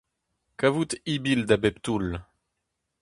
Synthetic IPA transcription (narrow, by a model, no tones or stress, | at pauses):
kavut̪ibild̪abɛpt̪ul